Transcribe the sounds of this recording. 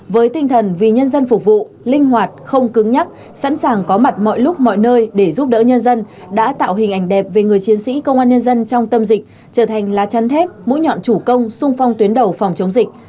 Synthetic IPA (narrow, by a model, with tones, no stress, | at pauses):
vəː˨˦jt̪ï˧ŋ̟t̪ʰə˨˩nvi˨˩ɲə˧nzə˧nfʊ˨˩k͡p̚vṵ˧˨ | lï˧ŋ̟ɦwaː˨˩t̚xə˧wŋ͡mkɨ˨˦ŋɲa˦˥t̚ | sa̰˧˥nsaː˨˩ŋkɔ˨˦ma˨˩t̚mɔ̰˧˨jlʊ˦˥k͡p̚mɔ̰˧˨jnəː˧jɗe˧˩zu˦˥p̚ɗə̰ː˧˥ɲə˧nzə˧n | ɗa̰ː˧˥t̪a̰ː˧˨wɦï˨˩ŋ̟ʔa˧˩ŋ̟ɗɛ˨˩p̚ve˨˩ŋɨ˨˩əjt͡ɕi˨˦ənsḭ˧˥kə˧wŋ͡mʔaː˧nɲə˧nzə˧nt͡ɕɔ˧wŋ͡mt̪ə˧mzï˨˩k̟̚ | t͡ɕəː˧˩t̪ʰa˨˩jŋ̟laː˨˩t͡ɕa˨˦nt̪ʰɛ˦˥p̚mṵ˧˥ɲɔ̰˧˨nt͡ɕu˧˩kə˧wŋ͡msʊ˧ŋ͡mfa˧wŋ͡mt̪wənɗə˨˩wfɔ˨˩wŋ͡mt͡ɕə˨˦wŋ͡mzï˨˩k̟̚